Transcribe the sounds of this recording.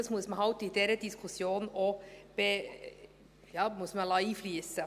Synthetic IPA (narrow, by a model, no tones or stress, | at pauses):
smʊsmɑhɑʊt̪id̪ɛɾəd̪ɪskʰʊsjoːnɔb̥e | jɑːmʊsmɑlɑiːflyːsə